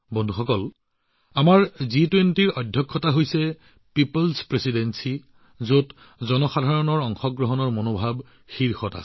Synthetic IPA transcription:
bɔndʱuxɔkɔl | amaɹzitwentiɹɔdʱjɔkʰːɔtaɦojsɛ | pipolspɹesidensi | zot | zɔnɔxadʱaɹɔnɔɹɔŋxɔɡɹɔɦɔnɔɹmonobʱab | xiɹxɔta̰

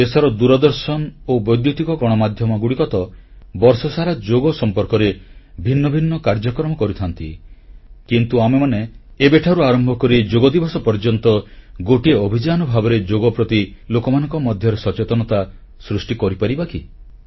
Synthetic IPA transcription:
esɔɾɔd̪uɾɔd̪ɔɾsɔnɔobɔjd̪jut̪ikɔkɔɽ̃ɔmad̪ʱjɔmɔɡuɽikɔt̪ɔbɔɾsɔsaɾad͡ʒoɡɔsɔmpɔɾkɔɾebʱinːɔbʱinːɔkaɾd͡ʒɔkɾɔmɔkɔɾut̪ʰant̪ḭ | kint̪uamemaneːbeʈʰaɾuaɾɔmbʱɔkɔɾid͡ʒoɡɔd̪ibʱɔsɔpɔɾd͡ʒɔnt̪ɔɡoʈiobʱid͡ʒanɔbʱabɔɾed͡ʒoɡɔpɾɔt̪ilokɔmanɔ̃ŋkɔmɔd̪ʱjɔɾesɔt͡ʃet̪ɔnɔt̪a | sɾusʈikɔɾipaɾibakḭ

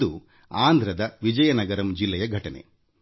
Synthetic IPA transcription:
u | aːnd̪ʱɾɐd̪ɐʋid͡ʒɐjɐnɐɡɐɾɐmd͡ʒilːɛjɐɡʱɐʈɐnḛ

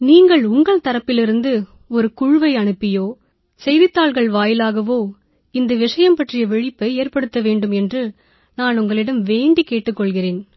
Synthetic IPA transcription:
niːŋɡɐɭʊŋɡɐɭt̪ɐɾɐpːɪlɪɾɯnd̪ɯ | ɔɾɯkʊɻʊʋɐɪɐɳɯpːɪjoː | sɛjʋɪt̪ːaːɭɣɐɭʋaːjɪlaːɣɐʋoː | ɪnd̪ɐʋɪʂɐjɐmpɐʈrɪjɐʋɛɻɪpːɐɪeːrpɐɽɯt̪ːɐʋeːɳɖɯmɛndrɯ | naːnʊŋɡɐɭɪɽɐmʋeːɳɖikeːʈːɯkːɔɭɣɪreːn

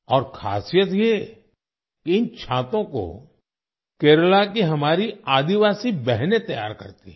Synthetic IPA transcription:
ɔːɾkʰa̰ːsijət̪je | kiɪnt͡ʃʰãːt̪õko̰ | keːɾlakiɦɐmaːɾiaːd̪iʋaːsibɛɦnet̪ɐja̰ːɾkɐ̰ɾt̪ḭ

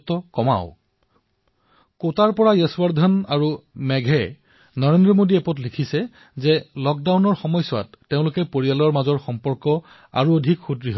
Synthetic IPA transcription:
tɔkɔma̰ʊ | kotaɹpɔɹajɛswaɹd̪ʱɔnaɹumɛɡʱɛ | nɔɹendɹɔmodiɛpɔtlikʰisɛ | zɛlɔk̚dawnɔɹxɔmɔjsɔwa̰tːeʊ̃lʊkɛpoɹijalɔɹmazɔɹxɔmpɔɹkɔ | a̰ɹuodʱikxudɹiɦ

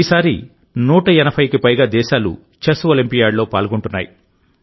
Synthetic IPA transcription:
iːsaːɾḭ | nuːʈɐɛnɐpʰɐjkipɐjɡaːd̪ɛːʃaːlṵ | t͡ʃɐsuɐlimpijaːɽlo̞ːpaːlɡoɳʈunːa̰ːjḭ

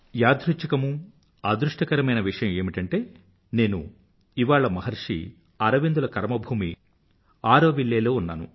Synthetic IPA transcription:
jaːd̪ɾut͡ʃɐkɐmu | aːd̪ɾuʂʈɐkɐɾɐmɐjnɐʋiʂɐjɐme̞ːmiʈɐɳʈe̞ː | ne̞ːnṵ | iʋaːɭɐmɐɦɐɾʂḭ | ɐɾɐʋind̪ulɐkɐɾmɐbʱuːmi | aːɾoːʋiɭːeːlo̞ːunːaːnṵ

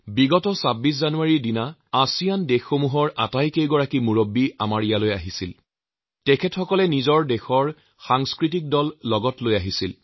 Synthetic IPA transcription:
biɡɔtɔsabis̬zanuaɹidinaasijandexːomuɦɔɹʔatajkejɡɔɹakimuɹobːiamaɹijalojaɦisil | tɛkʰɛtxɔkɔlɛnizɔɹdɛxɔɹ | xaŋskɹit̬ik̚dɔlːɔɡɔtlojaɦisil

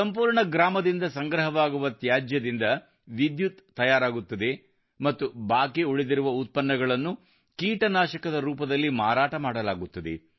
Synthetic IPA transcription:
sɐmpuːɾɳɐɡɾaːmɐd̪ind̪ɐsɐŋɡɾɐɦɐʋaːɡuʋɐt̪jaːd͡ʒjɐd̪ind̪ɐ | ʋid̪jut̪ːɐjaːɾaːɡut̪ːɐd̪e̞ | mɐt̪ːubaːkeuɭed̪iɾuʋɐut̪̚pɐnːɐɡɐɭɐnːu | kiːʈɐnaːʃɐkɐd̪ɐɾuːpɐd̪ɐlːimaːɾaːʈɐmaːɽɐlaːɡut̪ːɐd̪e̞̰

